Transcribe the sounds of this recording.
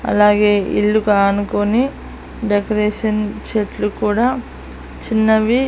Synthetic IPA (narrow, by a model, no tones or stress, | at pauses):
ɐ̰laːɡe̞ːḭɭːukaːɐnukoni | ɖekɐɾeːʂɐnt͡ʃeʈlukuːɽaː | t͡ʃinːɐʋi